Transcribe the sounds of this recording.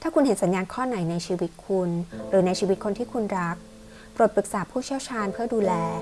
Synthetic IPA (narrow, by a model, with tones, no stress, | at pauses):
t̪ʰaː˥˩ku˧nhe˨˩˦nsa˩˦njaː˧nkʰɔː˥˩na˩˦jna˧jt͡ɕʰiː˧wi˦˥t̪̚kʰu˧nɾɯː˩˦na˧jt͡ɕʰiː˧wi˦t̪̚kʰo˧nt̪ʰiː˥˩kʰu˧nɾa˦˥k̚ | pɾo˨˩t̪̚pɾɯ˨˩k̚saː˩˦pʰuː˥˩t͡ɕʰi˥˩əwt͡ɕʰaː˧npʰɯ˥˩ɐduː˧lɛː˧